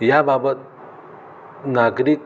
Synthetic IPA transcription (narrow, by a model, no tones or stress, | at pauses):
jababət̪̚ | naɡɾik̚